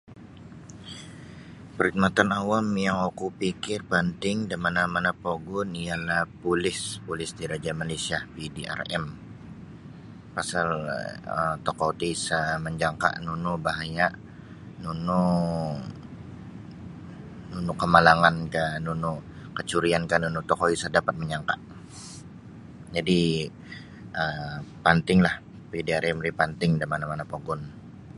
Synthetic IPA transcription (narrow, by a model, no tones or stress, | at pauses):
pəɾik̚mat̪anawamjaŋokupikɪrpənt̪ɪŋdamanamanapoɡʊnialahpulɪspulɪsdiɾad͡ʒamalasiapidiʔa̰rɛ̰m | pasalə̰mt̪okout̪isaməɲd͡ʒaŋka̰ʔnunubaɦajaʔ | nunu | nunukəmalaŋankanunu | kət͡ʃuɾiankanunut̪okoisadapat̪̚məɲaŋka̰ʔ | d͡ʒadi | əpant̪ɪŋlah | pidiaɾɛmlipant̪ɪŋdamanamanapoɡɔn